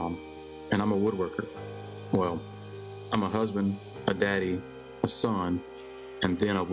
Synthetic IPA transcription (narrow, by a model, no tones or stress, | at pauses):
m | ɨ̃ñãɪ̃məwʊd̚wɜ˞kʰə˞ | wɛlˠ | ãɪ̃məɦʌzbɨ̃nd | ʔədæɾi | əsʌ̃n | ɨ̃nðɨ̃ɾ̃aɪw